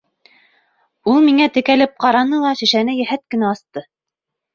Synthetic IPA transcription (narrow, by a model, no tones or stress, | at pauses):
ulˠmiŋæt̪ɘ̆kælɘp̚qɑɾɑnɤlˠɑʃɘ̆ʃænɘjɘ̆ɦæt̪̚kɘ̆næɑst̪ɤ